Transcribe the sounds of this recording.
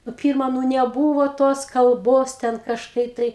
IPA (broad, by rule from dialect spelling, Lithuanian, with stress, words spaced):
nʊ ˈpʲɪrmɐ nʊ nʲɛˈbuːʋoː toːs kɐlˠˈboːs tʲɛn kɐʃˈkɐɪ tɐɪ